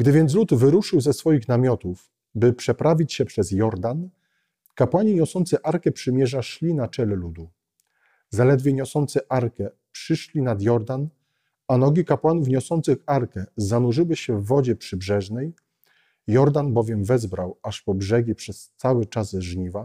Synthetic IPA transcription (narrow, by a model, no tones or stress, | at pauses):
ɡd̪ɘvʲjɛnt̪s̬lut̪vɘɾuʂɘwzɛsfɔjixnamʲjɔt̪uf | bɘpʂɛpɾavʲit͡ɕɕɛpʂɛzjɔɾd̪an | kapwaɲiɲɔsɔnt̪sɛʔaɾkɛpʂɘmʲjɛʐaʂlʲinat͡ʂɛlɛlud̪u | zalɛd̪vʲjɛɲɔsɔnt̪sɘʔaɾkɛ | pʂɘʂlʲinad̪jɔɾd̪an | anɔɡʲikapwanufɲɔsɔnt̪sɘxaɾkɛzanuʐɘwɘɕɛvːɔd͡ʑɛpʂɘbʐɛʐnɛj | jɔɾd̪anbɔvʲjɛmvɛzbɾawaʂpɔbʐɛɡʲipʂɛst̪sawɘt͡ʂazʐɲiva